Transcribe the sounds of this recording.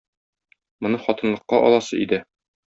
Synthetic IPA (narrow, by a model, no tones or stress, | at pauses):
mŏnɤχɒt̪ɤ̆nlˠɤ̆qːɑʔɒ̰lˠɑsɤ̰id̪ɘ